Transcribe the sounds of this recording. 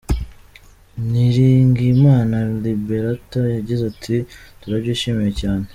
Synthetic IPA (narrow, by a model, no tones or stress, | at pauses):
niɾiːŋɡimaːnalibeɾatoɾjaɟizatʰituɾaɟuːʃemijecaːne̞